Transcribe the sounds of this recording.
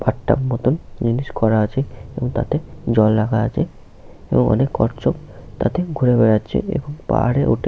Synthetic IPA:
baʈːa̰bmɔt̪ond͡ʑiniʃkɔɾaat͡ɕʰeeboŋt̪a̰t̪ed͡ʑɔlːaɡaa̰t͡ɕʰe | eboŋɔ̰nekɔ̰ɾt͡ɕok | t̪a̰t̪eɡʱuɾebeɾatːɕʰḛḛboŋpa̰ɾeʔṵʈʰe

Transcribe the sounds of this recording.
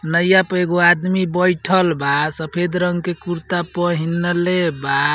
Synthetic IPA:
nəjapeɡoad̪mibəjʈʰəlbasəpʰed̪ɾəŋɡkekuɾt̪apəɦinːəleba

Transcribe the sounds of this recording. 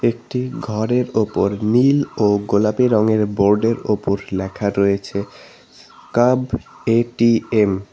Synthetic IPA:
ek̚ʈiɡʱɔɾeɾopoɾniloɡolapeɾɔŋeɾboɾɖeɾopoɾlɛkʰaɾojet͡ɕʰe | kab | eʈiem

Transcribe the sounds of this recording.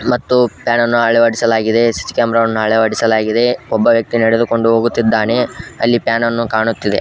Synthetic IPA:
mɐt̪ːupjaːnɐnːuɐɭɛʋɐɽisɐlaːɡid̪e̞si̥t̪i̥kaːmɾɐʋɐnːuɐɭɛʋɐɽisɐlaːɡid̪e̞ɔbːɐʋjɐk̚t̪inɐɽed̪uko̞ɳɖuɦoːɡut̪ːid̪ːaːne̞ɐlːipjaːnɐnːukaːɳut̪ːid̪e̞̰

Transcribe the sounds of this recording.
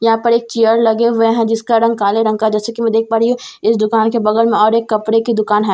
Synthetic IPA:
jɐɦãːpɐɾeːk̚t͡ʃijəɾlɐɡeʋeɦɛ̃d͡ʒɪskaɾɐ̃ŋɡkaːleɾɐ̃ŋɡkad͡ʒɛːsekimɛ̃d̪eːk̚ʰbaːɾiɦũ | ɪsd̪ʊkaːnkebɐɡəɾmẽɔːɾeːkːɐpɽekid̪ʊkaːnɦɛː

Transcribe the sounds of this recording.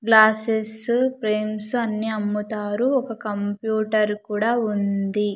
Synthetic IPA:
ɡlaːsespɾeːmsɐnːiɐmːut̪aːɾuɔkɐkɐmpjuːʈɐɾkuːɽaːund̪i

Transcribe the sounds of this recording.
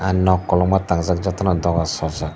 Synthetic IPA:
anːɔkːɔlɔmat̪aŋzak̚d͡ʒɔt̪anad̪ɔɡasɔza

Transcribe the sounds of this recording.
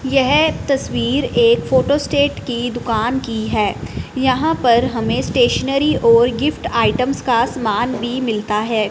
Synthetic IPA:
jɛɦt̪ɐswiːɾeːkfoːʈoːsʈeːʈkid̪ʊkaːnkiɦɛːjɐɦãpɐɾɦɐmẽsʈeːʃənəɾiʔɔːɾɡɪfʈaːɪʈə̃mskasɐmaːnbʱimɪlt̪aɦɛː

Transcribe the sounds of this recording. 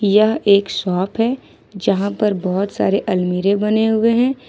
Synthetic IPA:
jɐɦeːksɔːpʰɦɛː | d͡ʒɐɦãpɐɾbɔːʊt̪sa̰ːɾeʔɐlmiːɾẽbɐneɦʊeɦɛ̃ː

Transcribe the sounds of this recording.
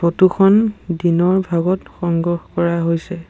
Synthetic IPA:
otukʰɔndinɔɹbʱaɡɔtxɔŋɡɔxkɔɹaɦojsɛ

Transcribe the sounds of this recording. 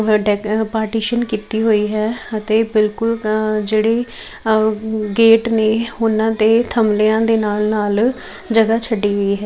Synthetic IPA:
ɖɛpaːɾʈiːʃənkiːt̪iːɦoːiːɦɛːət̪eːbɪlkʊld͡ʒeːɽeː | ɡeːʈneːʊnãːt̪eːt̪ʰəmleãːd̪eːnaːlnaːl | d͡ʒəɡaːt͡ʃʰəɖːiːɦəiːɦɛː

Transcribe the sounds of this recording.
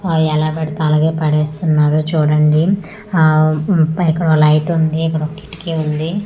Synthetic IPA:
ɛlaːbɐɽit̪ːlaːɡeːpɐɽeːst̪unːaːɾut͡ʃuːɽɐɳɖi | ikːɐɽolɐjʈund̪iikːɐɽoki̥ʈkeund̪i

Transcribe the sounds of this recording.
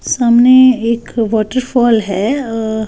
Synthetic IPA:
saːmneeːkʋɔːʈəɾfɔːlɦɛ

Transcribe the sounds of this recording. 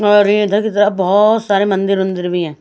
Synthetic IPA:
əɾid̪ʰʱakit̪əɾabɔːt̪saːɾemə̃nd̪ɪɾmə̃nd̪ɪɾbʱiɦɛ̃ː

